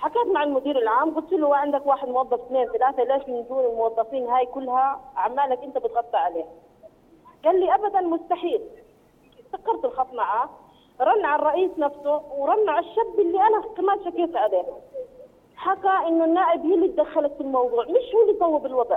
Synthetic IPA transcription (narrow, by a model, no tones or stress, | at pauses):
ħakaːt̪maʕalmʊd̪iːɾɪlʕaːmɡʊlt̪ɪlʊwaʕɪnd̪akwaːħɪd̪mwɑðˤːɑfθneːnθalaːθaleːʃmɪnd̪uːnɪlmʊwɑðˤːɑfiːnɦaːjkʊlːhaʕamːaːlakʔɪnt̪abɪt̪ɣɑt̪ˤːɑʕaleːha | ɡaːlːiʔabad̪anmʊst̪aħiːl | t̪ɑkːɑɾˤt̪ɪlxɑfˤmaʕa | ɾˤɑnːʕarˤɑʔiːsnafsʊwɾˤɑnːʕaʃːabːɪlːiʔanat̪ːɪmaːt̪ʃakaːt̪ʕaleːha | ħakːaʔɪnːʊnːaːʔɪbhilːid̪axːalat̪fɪlmɑwðˤuːʕmɪʃhuːlːisˤɑwːɪbɪlwɑd̪ˤʕ